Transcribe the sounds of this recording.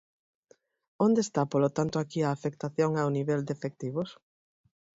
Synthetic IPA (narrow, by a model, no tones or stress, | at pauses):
ond̪eːst̪apolot̪ant̪ʊakiaːfek̚t̪aθjoŋawniβɛld̪efek̚t̪iβʊs